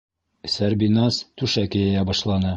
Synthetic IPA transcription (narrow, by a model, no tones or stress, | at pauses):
sæɾbinɑst̪ʉʃækɘ̆jæjæbɒʃlˠɑnɤ